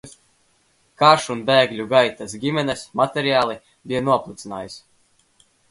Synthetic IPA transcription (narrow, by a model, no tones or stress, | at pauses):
kaʃunbɛːɡlʲuɡajt̪asɡʲimɛnɛsmat̪ʲɛɾiaːlˠi | bijanuɔplˠut̪sina̰ːjis